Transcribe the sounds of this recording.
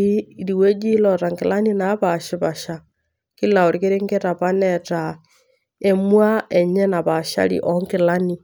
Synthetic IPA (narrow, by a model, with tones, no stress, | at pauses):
i˦ɾi˨we˦d͡ʒi˦lɔta˨ŋkɪ˨la˦ni˦na˨˦βa˨ʃɪ˨βa˨ʃa˨ | ki˦la˨o˨ɾi˦ke˦ɾe˦ŋɡe˦ta˨pa˦nɛta˨ | e˦mwa˦ʔɛ˨ɲɛ˦na˨βa˨ʃa̰˦lḭʔɔ˦ŋkɪ˨la˦ni˨